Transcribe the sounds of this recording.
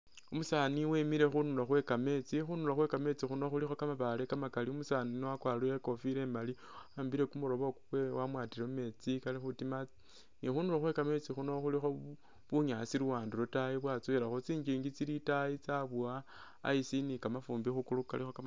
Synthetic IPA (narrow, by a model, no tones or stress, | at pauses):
umusaːniwemiɾe̞xunulaxwe̞kame̞t͡sixunulaxwe̞kame̞t͡sixuno̞xulixo̞kamaβale̞kamakaliumusaninoakwalueko̞fiɾe̞ːmali | aːmbiɾe̞kumuɾo̞βokuwewamwaːtiɾeume̞t͡sikalixutima | nixunuloxwe̞kame̞t͡sixuno̞xulixo̞ | βuɲasiɾuwaːndulotaiβwat͡sueɾaxot͡siːɲd͡ʒiːŋɡit͡siɾitait͡saβua | a̰isinikamafuːmbixukulukalixoka